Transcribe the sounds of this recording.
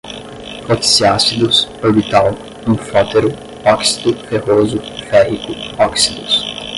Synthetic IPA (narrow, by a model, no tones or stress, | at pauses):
fot̪i̥siasid̪ʊsobit̪aw | ũfɔt̪eɾʊ | ɔksi̥t̪ʊfehozʊfɛhikʊɔksid̪ʊs